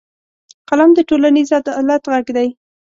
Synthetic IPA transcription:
qalɑmd̪əʈolanizad̪lat̪ɣaɡd̪aj

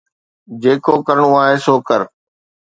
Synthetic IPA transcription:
d͡ʑeːkoːkəɾəɳ̃ũaːɦeːsoːkəɾ

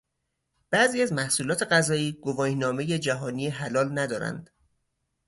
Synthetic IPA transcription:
b̥æʔziːæzmæhsuːlɒːt̪ʰe̞ɣæzɒːiːɡ̥ovɒːjnɒːme̞je̞d͡ʒæɦɒːniːeɦælɒːlnæd̪ɒːɾæ̰nd̪̥

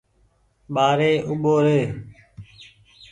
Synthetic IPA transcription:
ɓaːɾeːʔʊɓoːɾeː

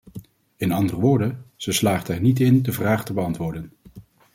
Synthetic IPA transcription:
ɪnɑndərəʋʊːɹdəz̥əslaːχtɛɹnitɪndəvraːχtəbəɑntʋʊːɹdən

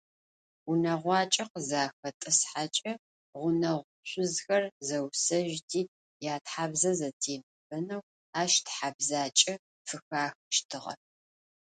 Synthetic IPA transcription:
ʊnɐʁʷɑːt͡ʃʼɐqəzaːxɐtʼɨsħat͡ʃʼɐ | ʁʷʊnɐʁʷʊɕʷʼʊzxɐrzɐwsɐʒtʰiː | jaːtħaːbzɐzɐtʰeːmɨb̥ɐnɐw | aːʃtʰħabzaːt͡ʃʼɐ | fɨxaːxʃtʰɨʁɐ̰

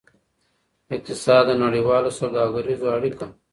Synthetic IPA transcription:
ik̚t̪isaːd̪ɐnɐɽiwaːlosɐwd̪aːɡɐɾizwaːɽika

